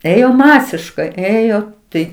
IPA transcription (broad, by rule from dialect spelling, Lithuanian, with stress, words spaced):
ˈeːjoː ˈmɑːsʲɪʃkɐɪ ˈeːjoː ˈtɐɪ